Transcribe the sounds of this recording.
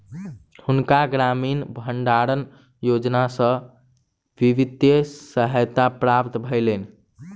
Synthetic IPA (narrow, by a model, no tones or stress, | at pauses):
hunkaɡɾaminbʱəɳɖaɾən | jod͡ʒnasə̃ | ʋiʋid̪jesəɦəjt̪apɾapt̪bʱəɪlen